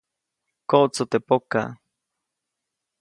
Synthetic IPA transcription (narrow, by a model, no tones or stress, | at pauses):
koʔt͡sot̪epoka̰